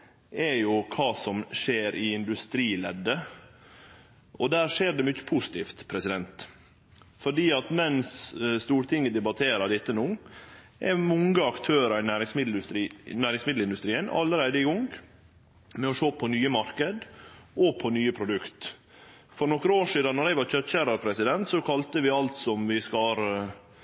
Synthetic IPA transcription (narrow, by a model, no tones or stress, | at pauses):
ɛɾjʊkʰɑːsɔmʃeːɾʔɪɪnd̪ʉst̪ɾiːlɛ̰d̪ːə | ʔɔd̪æːɾʂeːɾɖ̪ɛmʏçːə̥pʰuːsɪ̥t̪ʰiːft̪pʰɾɛsɪd̪ɛnt̪ | fɔɖiːɑt̪mɛnsst̪uːɾt̪ʰɪŋːəd̪ɛbɑt̪ʰeːɾəd̪ɪt̪ːənuː | ʔɛ̰mɔŋəɑkt̪ʰøːɾɑɪnæːɾɪŋsmɪd̪lɾiːnæːɾɪŋsmɪd̪l̩ɪnd̪ʉst̪ɾiːənɑ̰lːəɾæɪd̪əɪɡɔŋɡ | mɛɔʃoːpʰɔnyːəmɑɾkəd̪ʔɔpʰɔnyːəpʰɾʊd̪ʉkt̪ | fɔɾnɔkːəɾəoːʂiːd̪ɑnːɔɾæɪʋɑːɾc͡çœt̪ːɕæːɾɑɾpʰɾɛsɪd̪ɛnt̪sɔkʰɑlt̪əʋɪɑlt̪sɔmʋɪskɑɾ